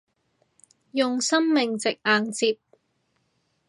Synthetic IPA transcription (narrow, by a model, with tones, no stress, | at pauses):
jʊ˨ŋsɐ˥mmɪ˨ŋt͡sɪ˨k̚aː˨ŋt͡siː˧p̚